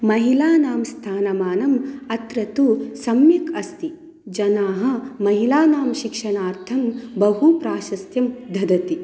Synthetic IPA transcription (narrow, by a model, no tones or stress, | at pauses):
mɐɦilaːnaːmst̪ʰaːnɐmaːnɐmɐt̪ɾɐt̪usɐmjɐkɐst̪i | d͡ʒɐnaːɦɐ̆mɐɦilaːnaːmʃikʂɐnaːɾt̪ʰɐmbɐɦupɾaːʃɐst̪jɐmd̪ʱɐd̪ɐt̪i